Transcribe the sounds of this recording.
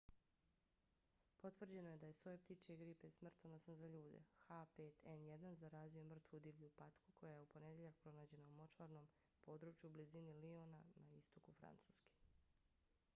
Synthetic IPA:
po̞t̪ʋr̩d͡ʑe̞no̞jed̪aje̞so̞jept̪it͡ʃeɡɾipe̞smr̩t̪onosnozaʎuːd̪e̞̰xapeːt̪ʰenjed̪anzaɾaːziomr̩t̪ʋud̪iʋʎupat̪kukʰo̞jaje̞upo̞ne̞d̪je̞ʎak̚pɾo̞naːd͡ʑe̞naumo̞t͡ʃaɾno̞m | po̞ːd̪ɾut͡ʃjublizinilionanaist̪okufɾa̰nt̪su̥ːski̥

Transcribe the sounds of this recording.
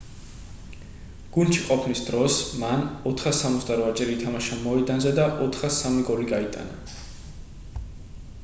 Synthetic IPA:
ɡ̥und̪t͡ʃʰiqʼɔpʰmisd̪ɾɔsmanɔt̪ʰχasamɔt̪sd̪aɾat͡ʃʼɛɾiit̪ʰamaʃamɔɛd̪anzɛd̪aʔɔt̪ʰχasamiɡɔɾiɡait̪ʼa̰na̰

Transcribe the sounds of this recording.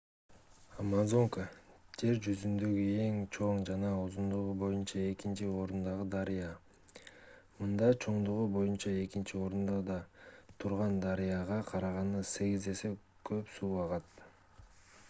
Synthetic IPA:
amazo̞ŋkad͡ʒe̞ɾd͡ʒyzynd̪øɡye̞ŋt͡ʃʰo̞ɴd͡ʒɑnɑuzund̪uʁubo̞junt͡ʃɑe̞kint͡ʃio̞ɾund̪ɑʁɯd̪ɑɾijɑ | mɯnd̪ɑt͡ʃʰo̞ɴd̪uʁubo̞junt͡ʃɑe̞kint͡ʃio̞ɾund̪ɑd̪ɑt̪ʰuɾʁɑnd̪ɑɾijɑʁɑqʰɑɾɑʁɑnɯse̞ɡize̞se̞ | kʰø̞psuːɑʁɑt̪̚

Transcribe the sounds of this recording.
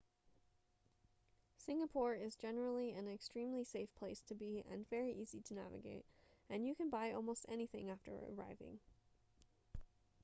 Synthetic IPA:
sɪ̃ŋəpʰɔɹɪzd͡ʒɛnə˞l̩ˠiɨ̃nɨkstɹ̥ĩmliseɪfpʰl̥eɪstʰɨbiɨ̰̃nvɛɹiʔiziɾɨnæ̰vɨ̰ɡeɪt̚ɨ̃njɨkɨ̃nbaɪɔ̰lˠmoʊstɛniθɪ̃ŋæftə̰˞ə̰ɹa̰ɪvɪ̰̃ŋ

